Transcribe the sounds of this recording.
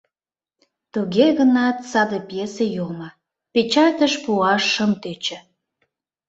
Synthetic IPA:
t̪uɣeɣənɑt̪sɑd̪epjesejomɑ | pet͡ɕɑt̪əʃpuɑʃːəmt̪øt͡ɕĕ

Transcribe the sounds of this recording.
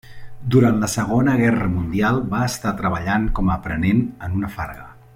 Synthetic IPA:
d̪uɾant̪ləsəɣ̞onəɣ̞ɛrəmund̪ialˠbaəst̪at̪ɾəβəʎaŋkɔməːpɾənenənunəfa̰ɾɣə

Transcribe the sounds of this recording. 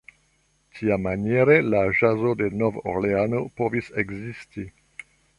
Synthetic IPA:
tʰiamanjeɾelaʒazo̞de̞novo̰leano̞po̞viseɡzisti

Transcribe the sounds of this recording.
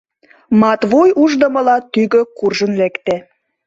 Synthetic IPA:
mɑt̪βojuʒd̪əmə̆lɑt̪yɣøkurʒənlekt̪e

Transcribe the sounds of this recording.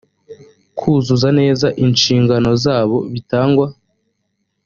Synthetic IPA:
kʰuzuzane̞ːzaʔinʃiːŋɡano̞zaːβo̞βitaːŋɡwa

